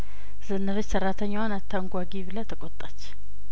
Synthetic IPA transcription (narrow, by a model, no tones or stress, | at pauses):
z̥ɨnːɨβɨt͡ʃsərːat̪ʰəɲːawanat̪ʰːaŋɡʷaɡiβɨlɐt̪ʰəkʼot̪ʼːat͡ʃː